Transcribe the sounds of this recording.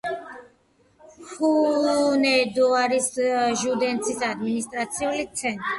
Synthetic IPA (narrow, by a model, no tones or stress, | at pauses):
xunɛd̪uaɾisʒud̪ɛnt̪sisad̪minist̪ʼɾat̪siulit̪sɛn